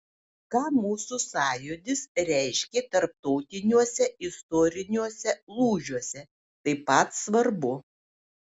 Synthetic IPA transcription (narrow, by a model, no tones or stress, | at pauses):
kɑːmuːsʊsɑːjud̪ʲɪsɾʲɛˑɪʃʲkʲeːt̪ɐɾp̚t̪ɔʊt̪ʲɪnʲuɔsʲɛɪst̪ɔːɾʲɪnʲuɔsʲɛlˠuːʒʲuɔsʲɛ | t̪ɐɪpɐt̪sʋɐɾbʊ